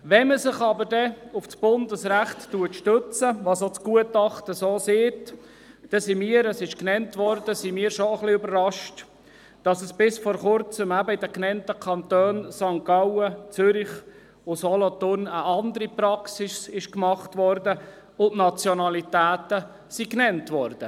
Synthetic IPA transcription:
ʋɛməsɪχɑbəɾdɛʊfsb̥ʊndəsræχtːuətʃtøt͡səʋɑːsot͡sɡ̥uətɑχtəsoːseːt | d̥ɛsimiːəɾəsɪʃknɛntʋɔɾdəsimiːɾʃoəχliøbərːɑʃt | d̥ɑsəsb̥ɪsfɔɾχʊɾt͡səmæbəɪdəknɛntəkʰɑnt̪øːnsɑŋkɑwət͡søɾɪχ | ʊsɔlɔt̪ʊnəʔɑnd̪əɾiprɑksɪsɪʃkmɑχtʋɔɾdə | ʊntnɑt͡sjɔnɑlitæːt̪ə | siknɛntʋɔɾd̥ə

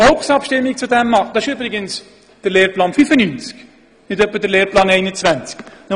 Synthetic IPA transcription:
ɔlχsɑpʃtɪmːik̚t͡sudɛmːɑd̥ɑɪʃybʁɪɡəns | d̥əɾleːɾplɑːnfyfənynt͡sk | nɪdœpːədəɾleːɾplɑːnɛɪnət͡svænt͡sknɔ

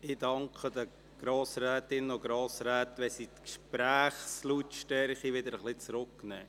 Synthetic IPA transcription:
ɪdɑŋkʰəd̪ə | ɡ̥ɾoːsɾɛːtɪnoɡɾoːsɾæːt̪ʋɛsit̪kʃpɾæːχslutʃtɛɾχiʋɪd̪əɾəχlɪt͡sɾʊkːnɛː

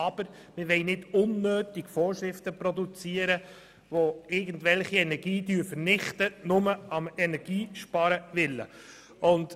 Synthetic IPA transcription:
ɑb̥əɾ | mɪʋɛɪnɪdʊnːøːtiɡfɔːɾʃɾɪftəprɔd̪ut͡siːəɾə | ʋoɪɾɡən̩dʋɛlχiɛnɛɡ̥iːdyːɾfəɾnɪχtənʊməɑmɛnɛɡ̥iːʃpɑːɾəʋɪlːə̰ | ʊnt

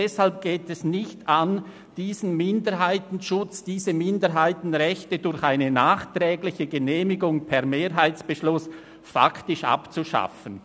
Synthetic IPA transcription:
ɛshalp̚ɡ̥eːtɛsnɪçtan | d̥iːzən̩mɪndəɾɦaɪtn̩ʃʊt͡sd̥iːzəmɪndəɾɦaɪtn̩ʁɛçtədʊɾçaɪnənaːχtrɛːɡlɪçəɡəneːmɪɡʊŋpʰɛʁmeːɾɦaɪt͡sb̥əʃlʊs | fa̰ktɪʃa̰pt͡suʃa̰fən

